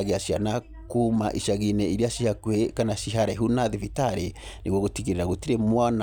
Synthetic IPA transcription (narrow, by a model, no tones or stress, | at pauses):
ɣeaʃiana | kumaʔiʃaɣinɛiɾiaʃihakwekanaʃiɦaɾɛɦunaðivitaɾe | niɣwoɣotiɣiɾeɾaɣotiɾemwana